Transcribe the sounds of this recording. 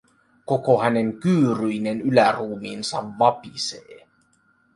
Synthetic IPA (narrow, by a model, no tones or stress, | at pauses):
ko̞kohæne̞ŋkyːɾyjnenylæruːmiːnsɑ̰ʋːɑpiseː